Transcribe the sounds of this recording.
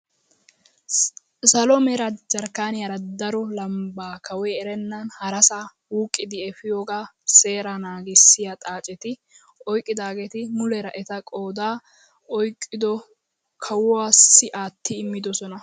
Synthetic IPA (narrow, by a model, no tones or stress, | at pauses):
sɐlɔmɛɾɐd͡ʒɐɾkːaːnɪjɐɾɐd̪ɐɾɔlɐmbaːkʰɐwɛɛɾɛnːɐnhɐɾɐsa | wuːkʼːɪd̪ɪɛfɪjoːɡaːse̞ːɾɐnaːɡɪsːɪjɐt̪ʼaːt͡ʃʼɛt̪ɪ | ɔjkʼːɪd̪aːɡeːt̪ɪmʊlɛɾɐʔɛt̪ɐkʼo̞ːd̪aː | ɔjkʼːɪd̪ɔ | kʰɐwʊwaːsːɪʔaːt̪ːɪːmːɪd̪ɔsɔnɐ